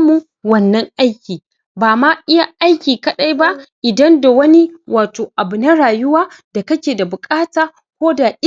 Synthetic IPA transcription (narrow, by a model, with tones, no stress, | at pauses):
mːu˦ | wɐ˦nːɐ˦ŋʔa˦jkʲiː˨ | baː˨ma˦ʔɪ˦ja˦ʔa˦jkʲiː˨kɐ˦ɗa˦jba˦ʔʔɪ˨dɐ˦nda˨wɐ˦ni˦waː˨toː˨ʔa˨bʊ˨nɐ˦ɽaː˨jʊ˦waː˦da˨kɐ˦kʲeː˨da˨bʊ˨kʼaː˦taː˨ | kʷoː˦da˨ʔ